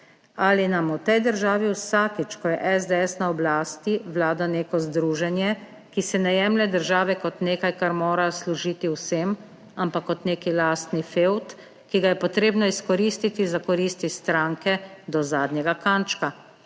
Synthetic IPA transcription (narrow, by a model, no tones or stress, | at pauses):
alinamut̪ɛjd̪əɾʒaːʋiwsaːkit͡ʃkɔjɛʔɛzd̪ɛɛsnaɔblaːst̪iʋlaːd̪aneːkɔzd̪ɾuːʒɛnjɛ | kisɛnajɛːmlɛd̪əɾʒaːʋɛkɔt̪neːkajkaɾmoːɾasluʒiːt̪iwsem | ampakːɔt̪neːkilast̪nifewt̪ | kiɡajɛpɔt̪ɾeːbnɔiskɔɾist̪it̪izakɔɾiːst̪ist̪ɾaːŋkɛd̪ɔzaːd̪nʲjɛɡakant͡ʃka